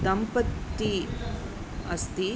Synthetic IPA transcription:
d̪ɐmpɐt̪ːi | ɐ̰st̪i

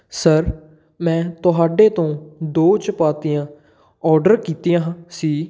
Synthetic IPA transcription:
səɾ | mɛ̃ːt̪ʊɦaːɖeːt̪õːd̪oːt͡ʃpaːt̪ijãː | ɔːɾɖəɾkiːt̪iːjãːɦsiː

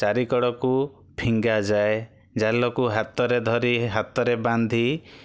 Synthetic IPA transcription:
t͡ʃaɾikɔɽɔku | pʰiŋɡad͡ʒae | d͡ʒalɔkuɦat̪ɔɾed̪ʱɔɾiɦat̪ɔɾeband̪ʱi

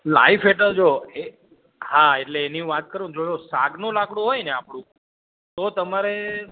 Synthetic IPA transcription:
la̰ifeʈəɾd͡ʒoe | haeʈleːniũʋat̪̚kəɾũd͡ʒojosaɡnolakʰɽ̃õɦojneapɽ̃ũ | t̪ot̪əmaɾe

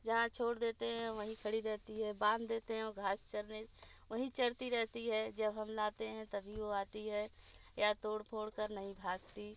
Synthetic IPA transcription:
d͡ʒɐɦãt͡ʃʰoːɽd̪eːt̪eɦɛ̃ʋəɦĩkʰəɽiɾɛɦt̪iɦɛbãːnd̪d̪eːt̪eɦɛ̃ɔɡʱaːst͡ʃəɾneʋəɦĩt͡ʃɐɽt̪iɾɛɦt̪iɦɛd͡ʒəbɦəmlaːt̪eɦɛ̃t̪əbʱiʋoaːt̪iɦɛjat̪oːɽpʰoːɽkəɾnɐɦĩbʱaːɡt̪i

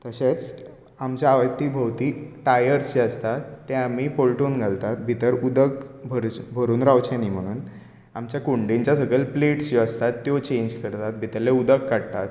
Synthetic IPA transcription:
t̪əɕet͡s | amt͡ɕjaaʋət̪ːiːbʱəwt̪iːʈajəɾsd͡ʑiəst̪at̪ːẽamiːpolʈunɡʱalt̪at̪bʱit̪əɾud̪əkbʱəɾbʱəɾuːnɾawt͡ɕaniːm̤əɽ̃uːn | amt͡ɕjakuɳɖẽɲt͡ɕjasəɡəlpleʈsd͡ʑiəst̪at̪ːjot͡ɕẽɲd͡ʑkəɾt̪at̪̚bʱit̪əɾleud̪əkːaɽt̪at̪̚

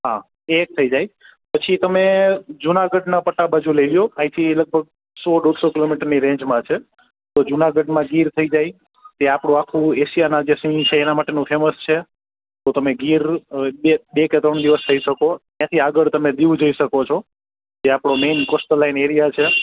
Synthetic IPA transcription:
ɦã̰ | ek̚t̪ʰəid͡ʒaj | pət͡ʃʰit̪əmed͡ʒunaɡəɖnapəʈːabad͡ʒuleʋjoãit̪ʰiləɡ̚bʱəɡ̚ | sɔɗod̪sokɪlomiʈəɾniɾẽɲd͡ʒmãt͡ʃʰe | t̪od͡ʒunaɡəɖmãɡiɾt̪ʰəid͡ʒaj | t̪eapɽ̃ũakʰũeʃijanãd͡ʒesiĩt͡ʃʰeːnamaʈenũfʰeməst͡ʃʰe | t̪ot̪əmeɡiɾɓeɓeket̪ɾəɳd̪iʋəst̪ʰəiʃəkot̪jãt̪ʰiaɡəɭt̪əmẽd̪iʋũd͡ʒoiʃəkot͡ʃʰo | d͡ʒeapɽ̃omenkosʈəlːaineɾijat͡ʃʰe

